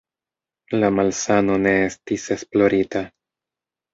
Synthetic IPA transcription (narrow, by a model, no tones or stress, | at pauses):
lamalsano̞ne̞estise̞splo̞ɾita